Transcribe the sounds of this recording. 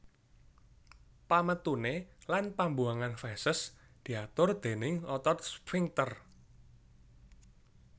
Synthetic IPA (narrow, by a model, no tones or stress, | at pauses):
pamət̪unelanpambuaŋanfɛsəs | d̪̥i̤at̪ʊrd̪̥e̤nɪŋɔt̪ɔt̪̚spɾiŋt̪ər